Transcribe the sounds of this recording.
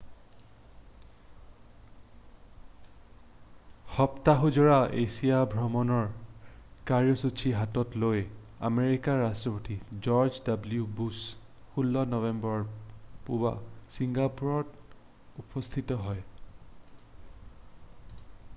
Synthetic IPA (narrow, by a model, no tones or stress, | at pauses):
xɔptaɦuzɔɹaḛsijabʱɹɔmɔnɔɹ | kaɹjɔsut͡ʃʰiɦatɔtloj | a̰meɹikaɹastɹɔpotid͡ʒɔɹd͡ʒdabljubus | xulːɔnɔvɛmbɔɹpuba̰siŋɡapuɹɔt | upɔst̪ʰitɔɦɔj